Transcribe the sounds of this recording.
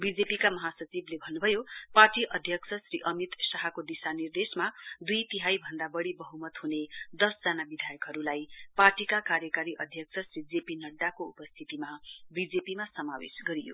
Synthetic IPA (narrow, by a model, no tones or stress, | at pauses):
bid͡zepikamʌɦasʌt͡siblebʱʌnːubʱʌjoparʈiʔʌd̪ʱjʌksʰʌsɾiʔʌmit̪saɦakod̪isanird̪esmad̪ujt̪iɦajbʱʌnd̪abʌɽibʌɦumʌt̪ɦuned̪ʌsd͡zanabid̪ʱajʌkɦʌɾulajparʈikakaɾjʌkaɾiʔʌd̪ʱjʌksʰʌsrid͡zepinʌɖːakoupʌst̪ʰit̪imabid͡zepimasʌmawḛsɡʌɾijo̰